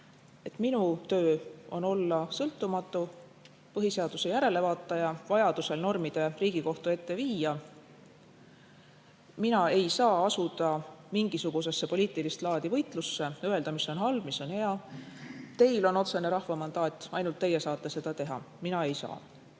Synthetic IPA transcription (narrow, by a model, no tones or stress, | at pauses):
e̞t̪minut̪ø̞ːo̞̰no̞lːɑsɤlt̪ːˑumɑt̪ːˑu | pɤɦiseɑd̪̥use̞jæɾe̞le̞vɑːt̪ːˑɑjɑvɑjɑd̪̥use̞lno̞rmid̪̥e̞riːɡ̥iko̞ht̪ue̞t̪ːe̞viːjɑ | minɑe̞jsɑːɑsud̪̥ɑmiŋɡ̥isuɡ̥us̬e̞sːe̞po̞lʲiːt̪ˑilist̪lɑːd̪̥ivɤ̞jt̪ˑlusːe̞øe̞ld̪ɑmisːo̞nɦɑlb̥miso̞nhe̞ɑ | t̪e̞jlo̞no̞t̪se̞ne̞ɾɑhvɑmɑnd̪̥ɑːt̪ʲːˑɑ̰jnult̪ːe̞jːe̞sɑːt̪ˑːese̞d̪̥ɑt̪e̞ɦɑ̰ | minɑe̞jsɑ̰ː